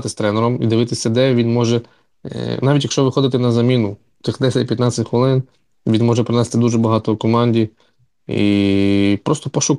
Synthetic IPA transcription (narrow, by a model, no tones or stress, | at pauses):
t̪ɪsʲt̪ɾɛnɛɾɔmid̪ɪʋɪt̪ɪsʲɐd̪ɛʋʲinmɔʒɛ | nɑʋʲitʲjɐkʃt͡ʃɔʋɪxɔd̪ɪt̪ɛnɐzɐmʲinʊ | t̪ɪxd̪ɛsʲɐtʲpjɐt̪nɑt͡sʲɪtʲxʋelˠɪn | ʋʲinmɔʒɛpɾɪnɛst̪ɪd̪uʒɛbɐɦɑt̪ɔkɔmɑnʲdʲi | ḭ | pɾɔst̪ɔpɔʃʊk